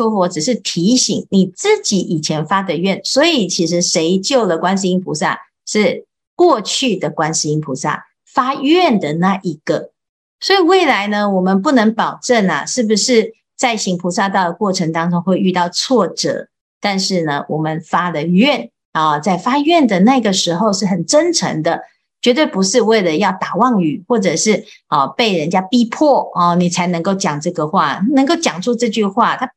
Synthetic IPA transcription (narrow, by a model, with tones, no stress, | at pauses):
u˥fɔ˧˥ʈ͡ʂɻ̩˨˩ʂ̬ɻ̩˥˩t̪ʰi˧˥ɕi˨˩˦ŋni˨˩t͡sɹ̩˥˩t͡ɕi˨˥ʔi˨˩t͡ɕʰjɛ˧˥nfa˥d̪ə˧˦ɥɛ˥˩nswɔ˧˥i˨˩t͡ɕʰi˧˥ʂ̬ɻ̩˧˥ʂe˧˥ɪt͡ɕjo˥˩ʊlə˩kwa˥nʂ̬i˧i˥ŋpʰu˧˥sa̰˥˧ | ʂɻ̩˥˧ | kwɔ˥˧t͡ɕʰy˥˩d̪ə˩kwa˥nsi˧˥i˥ŋpʰu˧˥sa̰˥˩ | fa˥ɥɛ˥˩nd̪ə˩na˥˩ʔi˧˥ɡ̥ə˨ | swɔ˧˥i˨˩we˥˩ɪla˧˥ɪnə˧wɔ˨˩mə˨˦np̬u˥˩nɤ˧˥ŋpɑ˨˩ʊʈ͡ʂə˥˩na̰˨˩ʂɻ̩˥˩bu˨˩ʂɻ̩˥˧ | t͡sa˥˩ɪɕi˧˥ŋpʰu˧˥sa˥˧t̪ɑ˥˩ʊd̪ə˩kwɔ˥˩ʈ͡ʂʰə˧˥ŋt̪ɑ˥ŋʈ͡ʂʊ˥ŋxwe˥˧ɪy˥˧t̪ɑ˥˧ʊt͡sʰwɔ˥˩ʈ͡ʂɤ̰˨˩˦ | t̪a˥˧nʂɻ̩˥˩nə˩wɔ˨˩mə˨nfa˥d̪ə˨ɥɛ˥˨n | ə˨˩t͡sa˥˩ɪfa˥ɥɛ˥˩nd̪ə˩na˥˧i˧˩ɡə˩ʂɻ̩˧˥xo˥˧ʊʂɻ̩˥˩xə˨˩nʈ͡ʂə˦nʈ͡ʂʰə̰˧˥ŋd̪ə˧ | t͡ɕɥɛ˧˥t̪̬we˥˩ɪpu˧˥ʂɻ̩˥˧we˥˩ɪlə˩jɑ˥˩ʊt̪a˨˩wɑ˥˩ŋy˨˩xwɔ˥˩ʈ͡ʂɤ˨˩ʂɻ̩˥˩ɔ˨pe˥˩ɪɻə˧˦nt͡ɕja˥pi˥pʰɔ˥˩ɔ˩ni˨˩t͡sʰa˧˥ɪnɤ˧˥ŋko˥˩ʊt͡ɕjɑ˨˩ŋʈ͡ʂɤ˥˩ɡə˩xwa˥˩˥nə˧˥ŋko˥˩ʊt͡ɕjɑ˨˩ŋt͡swɔ˥˧ʈ͡ʂɤ˥˧t͡ɕy˥˧xwa˥˩t̪ʰa˥